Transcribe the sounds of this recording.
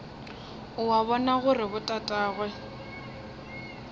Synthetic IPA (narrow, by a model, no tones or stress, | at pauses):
ʊwaβɔnaɣʊrɪbʊtʼatʼaːɣwɛ